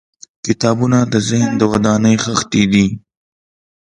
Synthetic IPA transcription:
kɪt̪ɑbunad̪əzɪhnd̪əwad̪ɑnəjxəxt̪ed̪i

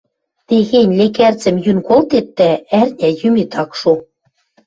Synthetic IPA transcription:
t̪eɣenʲlekært͡sɘ̆mjynkolt̪et̪ːæærnʲæjymit̪ɑkʃu

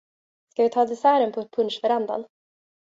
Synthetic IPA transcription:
skavɪt̪ʰɑːd̪ɛsæːɾənpʰɔpʰɵnʂfœɾand̪a̰n

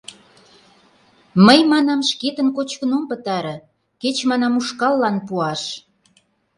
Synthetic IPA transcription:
məjmɑnɑmʃket̪ənkot͡ɕkənompət̪ɑɾə̆ | ket͡ɕmɑnɑmuʃkɑlːɑnpuɑʃ

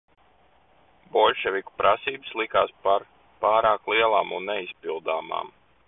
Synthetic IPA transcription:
bɔlʲʃɛvʲiku̥pɾʔasiːbɨslˠikaːspaɾ | paːɾaːklˠiɛlˠaːmunːɛispilˠd̪aːma̰ːm

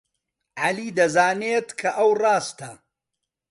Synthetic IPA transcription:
ʕaliːd̪ɐzaːnet̪kʰɐʔɐwrˤɑːst̪ɐ

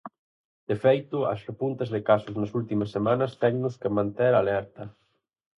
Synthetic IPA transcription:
d̪̥efejt̪ʊɐ̰srepunt̪ɐzðɪkasʊznɐsult̪imɐsːemãnɐst̪ɛŋnʊskemãnt̪eɾalɛɾt̪ɐ

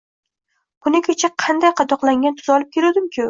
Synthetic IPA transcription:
b̥ʊnɪkʲʰet͡ʃʰaqʰɑnd̪ajqʰɑd̪ɒqlaŋʲant̪ʰʊzɒlˠɪp̚kʲʰelad̪ɪmkʲʰɪ

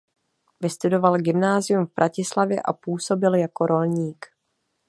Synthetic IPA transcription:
vɪst̪udo̞valɡɪmnaːzɪjumvb̥ɾʔacɪslavjɛ̰ʔa̰puːso̞bɪljako̞ɾo̞lɲiːk

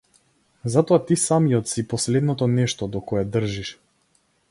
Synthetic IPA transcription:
zat̪ɔat̪isamijɔt̪sipɔslɛd̪nɔt̪ɔnɛʃt̪ɔd̪ɔkɔɛd̪r̩ʒiʃ

